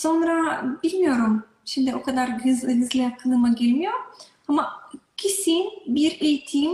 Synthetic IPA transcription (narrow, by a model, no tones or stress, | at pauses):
so̞nɾabilʲmijo̞ɾum | ʃimd̪ɪo̞kʰad̪aɾɡɯzlɯɡɯzlʲɛjakʰɯnˠɯmaɟilʲmijoɾ | amacʰisinbiɾejit̪ʰim